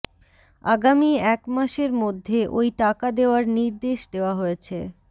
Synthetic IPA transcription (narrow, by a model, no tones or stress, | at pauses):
a̰ɡamiɛkmaʃeɾmod̪ʱːeʔojʈakad̪eoaɾniɾd̪eʃd̪eoaɦojet͡ɕʰe